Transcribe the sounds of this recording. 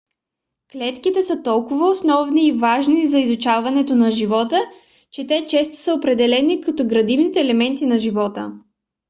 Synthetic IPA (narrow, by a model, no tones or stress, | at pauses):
klɛt̪kit̪ɛsət̪ɔlˠkʊvəosnɔvniːvaʒnizɐizut͡ʃavɐnɛt̪onɐʒivɔt̪ə | t͡ʃɛt̪ɛt͡ʃɛst̪o̥səopɾɛd̪ɛlɛnikɐt̪ɔɡɾɐd̪ivnit̪ɛːlɛmɛnt̪inɐʒivɔt̪ə̰